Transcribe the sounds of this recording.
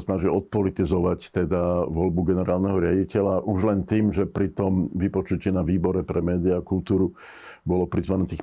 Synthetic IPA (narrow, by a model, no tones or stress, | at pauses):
snaʒiɔt̪̚pɔlit̪izɔʋact̪ɛd̪aʋɔlbuɡɛnɛɾaːlnɛɦɔɾɪaɟicɛʎaʔuʒlɛnt̪iːmʒɛpɾit̪ɔmʋipɔt͡ʃucɪɛnaʋiːbɔɾɛpɾɛmɛːd̪iakult̪uːɾu | bɔlɔpɾizʋanɛt̪iːx